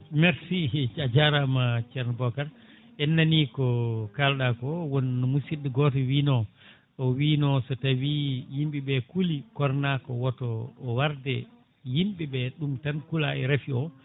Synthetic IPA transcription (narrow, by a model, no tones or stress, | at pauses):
meɾsit͡ʃad͡ʒaɾamat͡ʃɛɾnbɔkaɾ | ɛnːanikɔkalɗakɔwɔnːɔmusidɛɡɔtɔwiːnɔ | ɔwiːnɔsɔtawijimɓiɓɛkulikɔɾnakɔwɔtɔːwaɾdɛ | jimɓiɓɛɗumtankulaɛɾafiɔ